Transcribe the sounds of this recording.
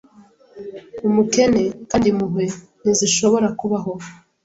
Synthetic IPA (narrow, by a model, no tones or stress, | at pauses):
umuke̞ne̞kaːndimuɦwe | niziʃo̞βo̞ɾakuβaɦo̞